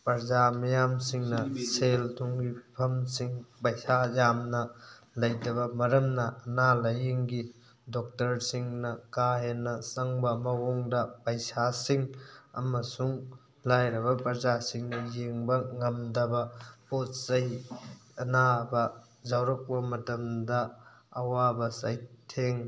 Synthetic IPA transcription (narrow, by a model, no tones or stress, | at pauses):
pɐɾzamɐjamsiŋnɐseltʰuŋɡipʰɐmsiŋpɐjsajamnɐ | lɐjdɐbɐmɐɾɐmnɐɐnalɐjiŋɡi | dɔk̚tɐɾsiŋnɐkaɦenːɐsɐŋbɐmɐɡoŋdɐpɐjsasiŋɐ̰mɐsuŋ | lajɾɐbɐpɾɐzasiŋnɐjeŋbɐŋɐmdɐbɐpot̚sɐj | ɐnabɐ | zawɾɐk̚pɐmɐtɐmdɐː | wabɐsajtʰeŋ